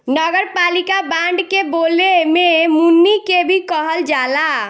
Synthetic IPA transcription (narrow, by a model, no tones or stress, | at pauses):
nəɡəɾpalikabãɳɖkebolememunːikebʱikəɦəld͡ʒala